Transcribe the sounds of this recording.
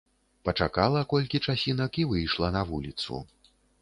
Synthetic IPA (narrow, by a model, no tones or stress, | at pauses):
pɐt͡ʂakalˠɐkɔlʲkʲit͡ʂasʲinɐkivɨjʂlˠɐnɐvulʲit̪sṵ